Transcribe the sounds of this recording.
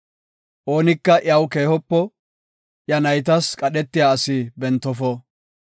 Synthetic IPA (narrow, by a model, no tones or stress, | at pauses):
ʔoːnɪkːɐʔjɐwke̞ːhɔpːɔ | ʔjɐnɐjt̪̬ɐskʼɐɗɛt̪ːɪjaːsɪbɛnt̪ːɔfɔ